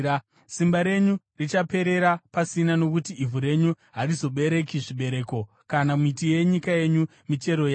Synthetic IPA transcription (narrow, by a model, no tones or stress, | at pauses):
simbaɾe̞ɲu | rit͡ʃape̞ɾe̞ɾapasinano̞kutiivʱuɾe̞ɲu | ɦarizo̞ɓe̞ɾe̞kiʐiɓe̞ɾe̞ːko̞ | kanamitije̞ɲikaje̞ɲu | mit͡ʃe̞ɾo̞ja